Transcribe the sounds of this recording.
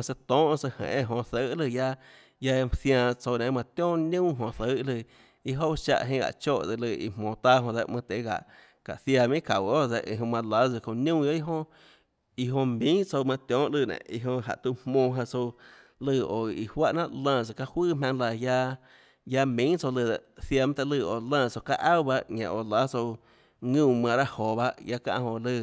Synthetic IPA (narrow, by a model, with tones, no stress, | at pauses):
ã˧se˧t̪ɔ̃ː˦ʔsə˧hḛ̃˨ʔẽ˦˧˨ɦõ˧θə˦lɨ˧˨ja˧ | ja˧θjãː˧t͡so˧wnẽ˨˦mã˧t̪jɔ̃ː˦nũ˦ɦõ˧θə˨˦ʔlɨ˧˨ | i˧ɦo˦ʃa̰˧ʔɦĩ˧˦ɡa̰˨t͡ʃo˦˨ʔde˧lɨ˧ḭ˧mõː˨t̪a˦ɦõ˧ðe˧mɨ̃˧t̪e˨˦ɡa̰˨ʔ | ka̰˨θja˧mĩ˦ka̰˨wo˦de˧ʔi˧˨ɦõ˧mã˧la˨˦t͡sɨ˧˨kõ˧˨nũ˦jo˦i˦ɦõ˧ | i˧ɦõ˧mĩ˦t͡so˧wmã˧t̪jõː˨˦ʔlɨː˧˨nḛ̃˨ʔi˧ɦõ˧ɦa̰˨ʔt̪u˧hmõː˧˨ɦã˧t͡so˧ | lɨ˧˨o˨i˨hwa˦ʔnã˦˧ʔlãː˧˨t͡so˧ka˧hwɨː˦˨mʲã˧ŋla˧˨ja˧ | ja˧mĩ˨˦t͡so˧lɨ˧d̪e˨ʔθja˧˨mã˦t̪e˧lɨː˧˨o˨lãː˧t͡so˧ka˦˧ʔa˦˨wba˧ʔŋã̰˨ʔo˨la˨˦t͡so˧ | ŋũ˧˨mã˧ɾa˦hoː˨ba˧ʔja˧kã̰˧ʔhõ˧lɨː˧˨